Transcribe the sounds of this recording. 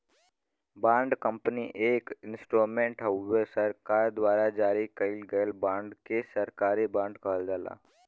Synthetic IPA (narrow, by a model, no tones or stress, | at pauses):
bãːɳɖkəmpniʔeːkɪnsʈoːmẽɳʈɦəʋesəɾkaːɾd̪waːɾad͡ʒaːɾikəilɡəəlbãːɳɖkesɐɾkaːɾibãːɳɖkaːld̪aːla̰ː